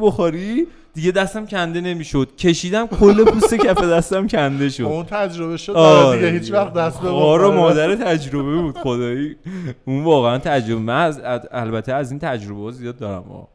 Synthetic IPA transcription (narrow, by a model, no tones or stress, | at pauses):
boxoɾi | d̪̥iɟe̞d̪æst̪æmcʲʰænd̪e̞ne̞miːʃod̪̥̚cʰeʃiːd̪æmkʰolːepʰuːse̞cʲʰæfed̪æst̪æmcʰænd̪e̞ʃodunt̪ʰæd͡ʒɾobeʃod̪ɒɾehit͡ʃvæχd̪æst̪beɒːɾemɒːd̪æɾet̪ʰæd͡ʒɾo̞βebuːd̪̥xod̪ɒːjiunvɒːɣeænt̪ʰæd͡ʒɾobemænzælbæt̪ʰeæziːnt̪ʰæd͡ʒɾo̞behɒːzijɒːd̪̚ːɒːɾæ̰mɒ̰ː